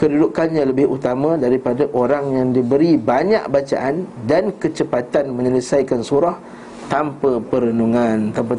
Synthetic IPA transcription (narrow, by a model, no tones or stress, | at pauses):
kədudukanɲãləbɪhut̪amãdaɾipadaʔoɾaŋjaŋdibəɾibaɲa̰ʔbat͡ʃa̰ʔandankət͡ʃəpat̪anmə̃ɲələsajkansuɾah | t̪ampapəɾənuŋãnt̪ampa